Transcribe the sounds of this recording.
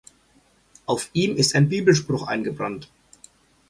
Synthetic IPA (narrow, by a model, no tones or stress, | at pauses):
ʔaʊfʔiːmɪstaɪnbiːbl̩ʃpʁ̥ʊxʔa̰ɪnɡəbʁant